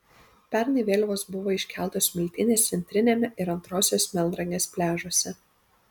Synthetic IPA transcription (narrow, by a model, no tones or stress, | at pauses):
pʲɛɾnɐɪʋʲeːlʲʋoːsbʊʋoːɪʃʲkʲæˑlˠt̪oːsmʲɪlʲt̪ʲɪnʲeːst̪sʲɛnʲt̪ʲɾʲɪnʲeːmʲɛʔɪɾɐnt̪ɾoːsʲoːsmʲɛlˠɾɐŋʲeːspʲlʲæːʒoɔsʲɛ